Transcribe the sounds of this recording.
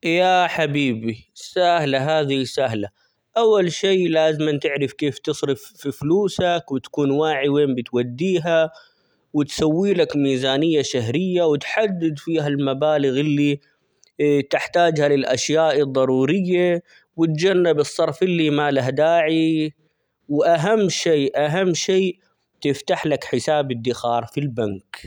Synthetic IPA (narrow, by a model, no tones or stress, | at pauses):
jaːħabiːbisahlaɦaːðisaɦla | ʔawːalʃeːlaːzɪmant̪ɪʕɾɪfkeːft̪ɨsˤɾɪfːifluːsakwɪt̪ḁkuːnwaːʕiweːmbɪt̪wad̪ːiːɦa | wɪt̪sawːiːlakmiːzaːnɪjːaʃaɦɾɪjːawɪt̪ħad̪ːɪd̪fiːɦalmabaːlɪɣɪlːi | t̪ɪħt̪aːd͡ʒhalɪlʔa̰ʃjaːʔɨd̪ˤːɑɾˤuːɾɪjːa | wɪt̪d͡ʒanːabɨsˤːɑɾˤfʔɪlːimaːlaɦad̪aːʕi | wɪʔaɦamːʃeːʔaɦamːʃeː | t̪ɪft̪aħlakħɪsaːbɪd̪ːɪxɑːɾˤfilbank